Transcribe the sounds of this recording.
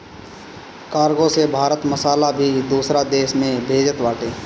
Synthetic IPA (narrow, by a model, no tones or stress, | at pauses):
kaːɾɡõsebʱaːɾət̪məsaːlabʱid̪uːsɾad̪eːʃmẽbʱeːd͡ʒət̪ʋaːʈeː